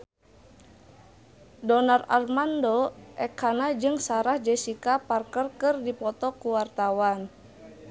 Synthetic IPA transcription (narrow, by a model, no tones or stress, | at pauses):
dɔnararmandoʔɛkʰanad͡ʒɨŋsaɾahd͡ʒɛsikaparkərkɨrdipɔt̪ɔkuwart̪awan